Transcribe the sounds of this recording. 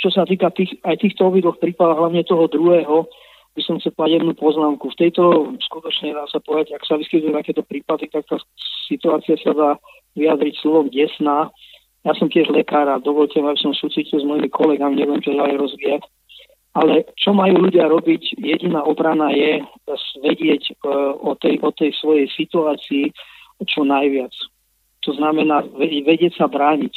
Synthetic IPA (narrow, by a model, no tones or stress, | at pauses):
t͡ʃɔsat̪iːkat̪iːxajt̪iːxt̪ɔɔbid̪lɔxpɾiːpad̪aɦlaʋɲɛt̪ɔɦɔd̪ɾuɦɛːɦɔ | bisɔmxt͡sɛlpɔd̪aɟjɛd̪nupɔznaːmkuft̪ɛjt̪ɔskut̪ɔt͡ʃɲɛd̪aːsapɔʋɛd̪aɟaksaʋiskit̪ujɛt̪akɛːt̪ɔpɾiːpad̪it̪ak̚t̪aːsit̪uaːt͡siɪasad̪aː | ʋiad̪ɾicslɔʋɔmɟɛsnaː | jaːsɔmcɪɛʒlɛkaːɾad̪ɔʋɔʎcɛmabisɔmsuːt͡sicilzmɔjimikʰɔlɛɡamiɲɛʋiɛmt͡ʃɔd̪aliɾɔzʋiːac | alɛt͡ʃɔmajuːʎuɟɪaɾɔbicjɛɟinaːʔɔbɾanajɛʋɛɟɪɛcɔt̪ɛjʔɔt̪ɛjsʋɔjɛjsit̪uaːt͡siːt͡ʃɔnajʋɪat͡s | t̪ɔznamɛnaːʋɛʋɛɟɪɛcsabɾaːɲic